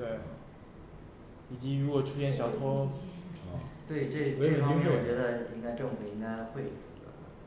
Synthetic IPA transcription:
t̪we˥˩ɪ | i˨˩t͡ɕi˧˥ɻu˧˥kwɔ˨˩ʈ͡ʂʰu˥ɕjɛ˥˩nɕ̬jɑ˨˩ʊt̪ʰɔ˥˧ | t̪we˥˧ɪ˩ʈ͡ʂɤ˥˩we˧˥˩i˥ŋɛ˨e˨˥˩wɔ˨˩t͡ɕɥɛ˧˥d̪ə˧i˥ŋka˥ɪʈ͡ʂɤ˥˩ŋfu˨˩i˥ŋka˥ɪxwe˥˩ɪfu˨˩ə̰˧˦˧

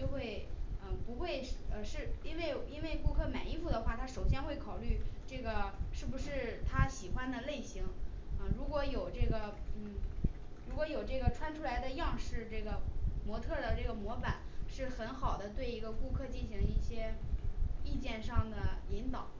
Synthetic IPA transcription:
t͡ɕjo˥˧ʊxwe˥˩ɪə˥˧pu˧˥xwe˥˧ɪ˥ə˧ʂɻ̩˥˩i˥nwe˥˧ɪi˥nwe˥˩ɪku˥˧kʰɤ˥˩ma˨˩ɪi˥˧fu˥˩d̪ə˩xwa˥˩t̪ʰa˥ʂo˨˩ʊɕjɛ˥nxwe˥˩ɪkʰɑ˨˩ʊly˥˧ʈ͡ʂɤ˥˩ɡə˩ʂɻ̩˥˩bu˧˩ʂɻ̩˥˩t̪ʰa˥ɕi˨˩xwa˥nd̪ə˨le˥˩ɪɕi˧˥ŋ | ə˧ɻu˧˥kwɔ˧˥jo˨˩ʊʈ͡ʂɤ˥˩ɡə˩n̩˥˩ɻu˧˥kwɔ˧˥jo˨˩ʊʈ͡ʂɤ˥˩ɡə˩ʈ͡ʂʰwa˥nʈ͡ʂʰu˥la˧˥ɪd̪ə˧jɑ˥˧ŋʂɻ̩˥˧ʈ͡ʂɤ˥˩ɡə˩mwɔ˧˥t̪ʰɤ˥˩d̪ə˩ʈ͡ʂɤ˥˩ɡə˩mwɔ˧˥fa˨˩˦nʂɻ̩˥˩xə˧˥nxɑ˨˩ʊd̪ə˦t̪we˥˩ɪi˧˥ɡə˧ku˥˧kʰɤ˥˧t͡ɕi˥˩nɕi˧˥ŋi˥˩ɕjɛ˥ | i˥˧t͡ɕjɛ˥˧nʂɑ˥˩ŋd̪ə˩i˧˥nt̪ɑ˨˩˦

